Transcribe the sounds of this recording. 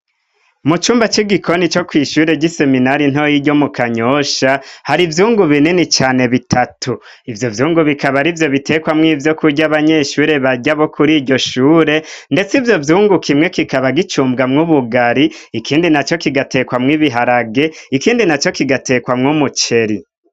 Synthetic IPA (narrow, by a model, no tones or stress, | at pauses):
mut͡ʃuːmbat͡ʃiɡikʰo̞nit͡ʃo̞kwiːʃuɾe̞ɟise̞minaɾin̥o̞jiɟo̞mukʰaɲo̞ʃahaɾivjuːŋɡuβininit͡ʃaːne̞βitʰatʰu | ivjo̞vjuːŋɡuβikaβaɾivjo̞βitʰe̞ːkwamŋivjo̞kuɟaβaɲeʃuːɾe̞βaɟaβo̞kuɾiːɟo̞ʃuːɾe̞nde̞t͡sivjo̞vjuːŋɡukʰimŋe̞kikaβaɡit͡ʃuːmbɡamŋuβuɡaɾiikʰiːndinat͡ʃo̞kiɡate̞ːkwamŋiβiɦaɾaɡe̞ikiːndinat͡ʃo̞kiɡate̞ːkwamŋumut͡ʃe̞ɾi